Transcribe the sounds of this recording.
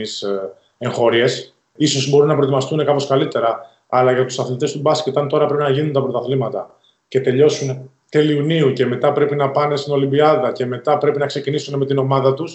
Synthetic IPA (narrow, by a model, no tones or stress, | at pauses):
is | e̞ŋxo̞ɾie̞s | iso̞zbo̞ɾunɐpɾoet̪imɐst̪une̞kɐpo̞skɐlit̪e̞ɾɐː | lɐʝɐt̪u̥sɐθlit̪e̞st̪ubɐscet̪ɐnt̪o̞ɾɐpɾe̞pinɐʝinunt̪ɐpɾo̞t̪ɐθlimɐt̪ɐ | ce̞t̪e̞ʎo̞sun | t̪e̞liuniuce̞me̞t̪ɐpɾe̞pinɐpɐne̞st̪ino̞limbiɐðɐce̞me̞t̪ɐpɾe̞pinɐkse̞cinisune̞me̞t̪ino̞mɐðɐt̪us